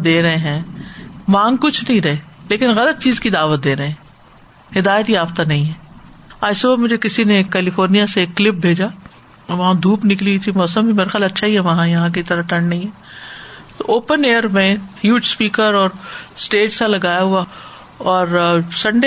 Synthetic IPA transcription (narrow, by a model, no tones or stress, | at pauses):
d̪eːɾɐɦẽɦɛ̃ːmãːŋɡkʊt͡ʃʰnɐɦĩɾɐɦeleːkɪnɣɐlət̪̚t͡ʃiːzkid̪aːʋət̪̚d̪eːɾɐɦẽɦɛ̃ː | ɦɪd̪aːjət̪jaːbt̪anɐɦĩɦɛ̃ːaːsubamʊd͡ʒʱekɪsineːkːɛːlɪfoːɾnijaseːkːlɪp̚bʱeːd͡ʒa | ʋɐɦãd̪ʱuːpnɪklit̪ʰimɔːsəmbʱimeːɾaxjaːlɐtːʃʰaɦiɦɛʋɐɦãjɐɦãk̬it̪ɐɾaʈɐ̃ɳɖnɐɦĩɦɛ̃ː | t̪oʔoːpəneːəɾmẽhjuːʈspiːkəɾɔːɾsʈeːʈsalɐɡaːjaɦua | ɔːɾsɐ̃ɳɖe